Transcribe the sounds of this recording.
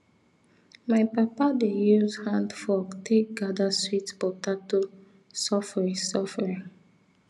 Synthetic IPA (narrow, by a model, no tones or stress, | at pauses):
maɪpapadejuzhãndfɔɡtʰek̚ɡadaswitbɔtato | sɔfɹĩsɔfɛɹĩŋ